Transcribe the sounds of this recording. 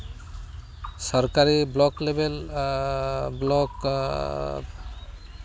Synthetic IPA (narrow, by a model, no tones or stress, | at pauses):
sɔɹkaɹiblɔklebel | blɔk